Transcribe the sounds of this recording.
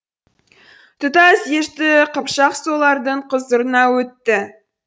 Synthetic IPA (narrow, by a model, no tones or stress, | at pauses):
t̪ʰʊt̪ɑsjeʃt̪ɪqəpʃɑqsolˠɑɾd̪əɴqʰəzəɾənɑwɵt̪ːɪ